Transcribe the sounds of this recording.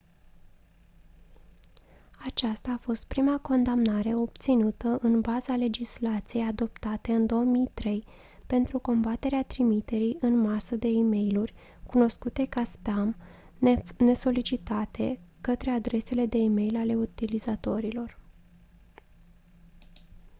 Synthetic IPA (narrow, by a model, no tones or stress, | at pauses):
at͡ʃast̪aːfo̞st̪̚pɾimako̞nd̪amnaɾe̞o̞bt̪sinut̪əʔɨnbazale̞d͡ʒislat̪sije̞jad̪o̞pt̪at̪e̞ɨnd̪o̞omijt̪ɾe̞j | pe̞nt̪ɾuko̞mbat̪e̞ɾeat̪ɾimit̪e̞ɾijʔɨnmasəd̪e̞ime̞jlurʲ | kuno̞skut̪e̞kaspeam | ne̞so̞lit͡ʃit̪at̪ʰe̞kət̪ɾe̞ad̪ɾe̞se̞le̞d̪e̞ime̞jlale̞ut̪ilizat̪o̞ɾilo̞r